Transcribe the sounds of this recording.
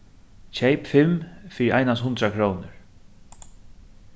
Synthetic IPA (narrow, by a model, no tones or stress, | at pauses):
t͡ʃʰejpfɪmfiːɾɪɾʔa̰jnashʊnt̪ɾakʰɾoːwnɪɹ